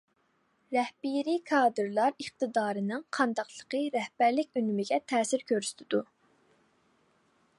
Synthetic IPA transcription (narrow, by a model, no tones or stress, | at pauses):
ɾɛhbiɾikʰɑːd̪ɨɾlˠɑɾəχt̪ɨd̪ɑːɾɨnɨŋqʰɑnd̪ɑqlˠəqəɾɛhbæɾlɪk̚ʲynymɪɡʲɛt̪ʰɛːsɪɾkʲʰøɾsy̥t̪ʰɪd̪u